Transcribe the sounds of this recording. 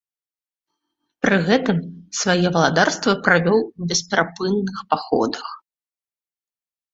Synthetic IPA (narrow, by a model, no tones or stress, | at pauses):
pɾɨɣɛt̪ɨmsvajɛvɐlˠad̪arst̪vɐpɾavʲɔwbʲɛspʲɛɾapɨnːɨxpaxɔ̰d̪ɐx